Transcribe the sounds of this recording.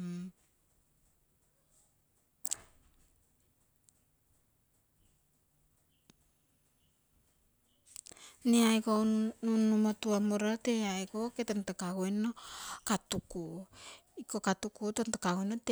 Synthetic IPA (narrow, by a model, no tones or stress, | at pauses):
niaikounːumatuamoɾateaikoketantakaɡoenokatuku | ikokatukutontakaɡonot